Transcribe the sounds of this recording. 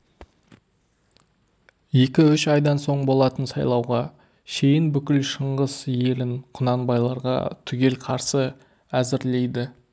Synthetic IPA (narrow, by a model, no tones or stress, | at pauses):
je̞kʲɪʏʃɑjd̪ɑnso̞ɴbo̞lˠɑt̪ənsɑjlˠɑwʁɑ | ʃe̞jɪnbʏkʲɪlʃəɴʁəz̥je̞lɪnqʰʊnɑnbɑjlˠɑɾʁɑ̰t̪ʰʏɡʲe̞lqʰɑɾsə | æzɪɾle̞jd̪ɪ